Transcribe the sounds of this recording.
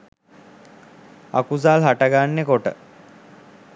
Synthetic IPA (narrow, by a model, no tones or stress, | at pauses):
a̰kuzaːlɦaʈəɡanːekoʈə̰